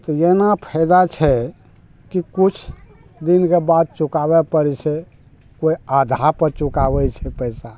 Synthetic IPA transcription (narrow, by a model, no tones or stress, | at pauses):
t̪ɔjenapʰɛɪd̪at͡ʃʰɛ | kikut͡ʃʰ | d̪inkebad̪̚t͡ʃukabɛpəɾɛt͡ʃʰɛ | koiad̪ʱaɾpəɾt͡ʃukabɛt͡ʃʰɛpɛjsa